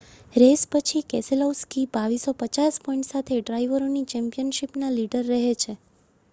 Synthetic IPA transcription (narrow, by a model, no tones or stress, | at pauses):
ɾespət͡ʃʰikɛselowskibaʋisopət͡ʃaspɔiɳʈsat̪ʰeɖɾaiʋəɾonit͡ʃɛmpijənʃipnaliɖəɾːəɦet͡ʃʰe